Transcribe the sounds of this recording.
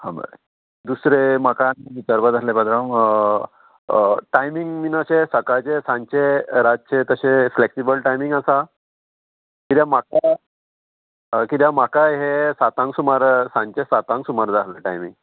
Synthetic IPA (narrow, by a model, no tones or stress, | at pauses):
hã̰mbə̰ɾḛ | d̪usɾemakaniʋit͡ɕaɾbad͡z̪alebad̪ɾam | ʈajmiŋɡminəɕesəkajt͡ɕesãɲt͡ɕeɾad͡z̚t͡ɕet̪əɕẽfleksibəlʈajmĩŋɡasa | kit̪jãmaka | kit̪jamakaɦesat̪ãŋksumaɾsãɲt͡ɕesat̪ãŋksumaɾd͡z̪aləʈajmiŋɡ